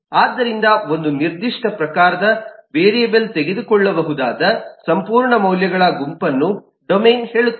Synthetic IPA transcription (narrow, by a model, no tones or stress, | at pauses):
aːd̪ːɐɾind̪ɐo̞nd̪uniɾd̪iʂʈɐpɾɐkaːɾɐd̪ɐʋeːɾiɐbelt̪eɡed̪ukɔɭːɐbɐɦud̪aːd̪ɐsɐmpuːɾɳɐmɐwljɐɡɐɭɐɡumpɐnːu | ɖomeːnhe̞ːɭut̪ː